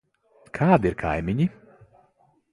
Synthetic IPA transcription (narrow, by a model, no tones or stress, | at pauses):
kʰaːd̪iɾkʰa̰jmʲiɲi